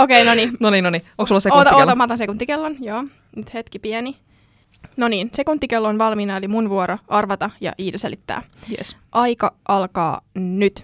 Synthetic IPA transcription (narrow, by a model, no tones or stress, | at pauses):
okeinoninoniːnonioŋksulːɑseoːt̪ɑot̪ɑmɑt̪ɑnsekunt̪ːikelːonjoː | nyt̪het̪kipiɛni | noniːnsekunt̪ːikelːonʋɑlmiːnɑelimunʋuoɾoʔɑrʋɑt̪ɑjɑ̰ʔiːt̪eselʔit̪ːæ̰ːjḛsʔɑjkɑʔɑlkɑ̰ːnyt̪